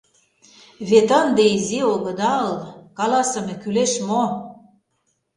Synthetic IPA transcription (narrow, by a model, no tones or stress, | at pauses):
βet̪ə̆nd̪eizioɣɤ̆d̪ɑlkɑlɑsə̆mekyleʃmo